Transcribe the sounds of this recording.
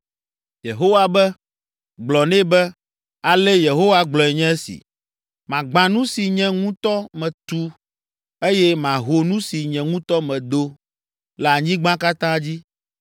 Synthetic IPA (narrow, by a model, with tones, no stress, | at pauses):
je˨ɦo˦wa˨bɛ˦ | ɡ͡blɔ˨nɛ̃˦bɛ˦ | a˨lɛ˦je˨ɦo˦wa˦ɡ͡blɔ˨ɛ˨ɲɛ̃˦ɛ˦sḭ˨ | mã˨ɡ͡bã˨nũ˦si˨ɲɛ̃˦ŋũ˦t̪ɔ˦mɛ̃˨t̪u˦ | e˦jɛ˦mã˨ɦo˨nũ˦si˨ɲɛ̃˨ŋũ˦t̪ɔ˦mɛ̃˨d̪o˦ | la˨ɲĩ˦ɡ͡bã˦ka˦t̪ã˦d͡ʑi˦